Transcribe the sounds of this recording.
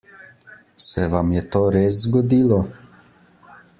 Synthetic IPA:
sɛʋamjɛt̪oːɾeːs̬zɡɔd̪iːlɔ

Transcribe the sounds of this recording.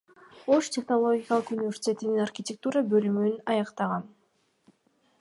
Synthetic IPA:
o̞ʃtʲe̞χno̞lˠo̞ɡʲɪkɑlˠɯqunʲɪvʲe̞rsʲɪ̥tʲe̞t̪ininarxʲɪtʲek̚t̪uɾɑbølymynɑjɑqt̪ɑʁɑn

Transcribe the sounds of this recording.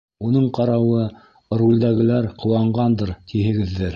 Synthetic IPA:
unɤɴqɑɾɑwɤ | rulʲd̪æɡɘ̆læɾqʰŏwɑɴɢɑnd̪ɤɾt̪ʰiɦɘ̆ɡɘ̆ðːɘɾ

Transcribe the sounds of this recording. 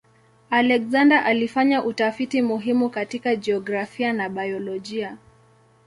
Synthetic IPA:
alɛkzandaʔalifaɲaʔutafitimuɦimukatikad͡ʒɛɔɡɾafianaɓajɔlɔʄia

